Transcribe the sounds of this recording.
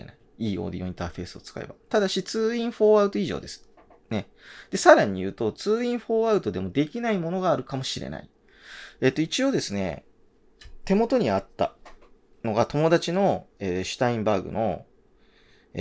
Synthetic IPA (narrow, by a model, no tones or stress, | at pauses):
ḛnai | iːo̞̰ːd̪ijoĩnt̪aɸe̞ːsɨo̞t͡sɨ̥ka̰ḛba̰t̪ad̪aɕit͡sɨːĩɰ̃ɸo̞ːaɯ̟t̪o̞iʑo̞̰ːd̪e̞sɨ̥ | ne̞ | d̪̥e̞saɾaɲ̟ijɯ̟ːt̪o̞t͡sɨːĩɰ̃ɸo̞ːaɯ̟t̪o̞d̪e̞mo̞d̪e̞kʲinaimo̞no̞ɡaːɾɯ̟kamo̞ɕiɾe̞̰na̰i | e̞t̪ːo̞it͡ɕio̞ːd̪e̞sɨne̞̰ | t̪e̞mo̞t̪o̞ɲ̟iat̪ːa̰ | no̞ɡat̪o̞mo̞d̪at͡ɕino̞eɕɨ̥t̪aĩmbaːɡɯ̟̰no̞̰ | e